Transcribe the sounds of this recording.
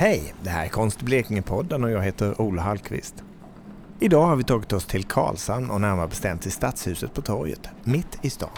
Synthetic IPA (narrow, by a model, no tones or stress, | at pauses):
hɛjd̪ɛhæ̰ɾæɾkʰɔnst̪bleːkɪŋəpʰɔd̪ːənɔjɑːɡɦeːt̪əɾʔuːlaɦalkʰvɪ̰st̪ | ɪd̪ɑːhaɾvɪt̪ʰɑːɡɪt̪ɔst̪ʰɪlkʰɑ̰ːlsanɔnæɾamnvabɛst̪ɛmt̪ʰɪst̪at̪shʉ̟ːsət̪̚pʰɔt̪ʰɔɾjə̰t̪mɪt̪ːɪst̪ɑ̰ːn